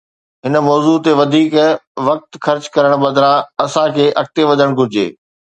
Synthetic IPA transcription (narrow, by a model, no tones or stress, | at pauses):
ɦɪnəmɔːzut̪eʋɐd̪ʱiːkʋɐk̚t̪xɐɾt͡ɕkɐɾəɽ̃bɐ̃d̪ʱɾãɐsãkʰeːʔɐk̚t̪eʋɐd̪ʱəɽ̃ɡʱʊɾɪd͡ʑḛː